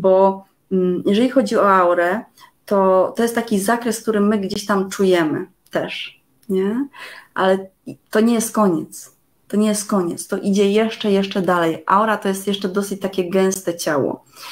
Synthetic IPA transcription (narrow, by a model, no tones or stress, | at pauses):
bɔ | jɛʐɛlʲixɔd͡ʑiɔawɾɛ | t̪ɔt̪ɔjɛst̪ːakʲizakɾɛsk̚t̪uɾɘmːɘɡd͡ʑeɕt̪amt͡ʂujɛmɘ̰ | t̪ɛʂ | ɲɛʔalɛ | t̪ɔɲɛjɛst̪̚kɔɲɛt̪s | t̪ɔɲɛjɛst̪̚kɔɲɛt̪st̪ɔʔid͡ʑɛjɛʂt͡ʂɛjɛʂt͡ʂɛd̪alɛjʔa̰wɾat̪ɔjɛst̪jɛʂt͡ʂɛd̪ɔsɘt͡ɕt̪akʲɛɡɛ̃w̃st̪ɛt͡ɕawɔ̰